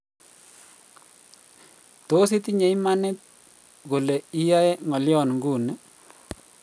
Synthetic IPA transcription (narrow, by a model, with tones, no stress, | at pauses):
to˦s̬i˦t̪i˦ɲe˨i˦ma˦nɪ˦t̪̚ | ɣo˨le˨i˦ja˦ɛ˦ŋɔ˨ljɔ˦˨nŋɡu˦˨nɛ˦